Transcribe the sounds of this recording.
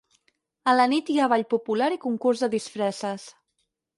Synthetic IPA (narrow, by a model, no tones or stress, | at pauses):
ələnit̪iaβ̞aʎpupulaɾikuŋkurzðəðisfɾɛsəs